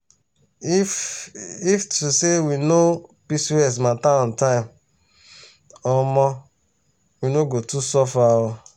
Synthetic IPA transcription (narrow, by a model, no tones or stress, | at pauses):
iftusewinopisiɛs̬mãtaɔ̃ntãĩm | ɔ̃mɔ̃ | winoɡotusɔfawɔ̃